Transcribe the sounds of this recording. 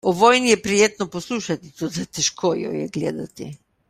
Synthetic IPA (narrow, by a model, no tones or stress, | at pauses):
ovɔjniɛpɾijet̪noposlˠuʃat̪it̪od̪at̪ɛʃkʰojɔ̰jɛ̰ɡlɛ̰d̪at̪ḭ